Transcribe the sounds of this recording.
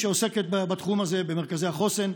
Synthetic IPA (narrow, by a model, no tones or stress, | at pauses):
ʃeose̞ket̪̚babat̪χumaze̞beme̞ʁkazehaχo̞sen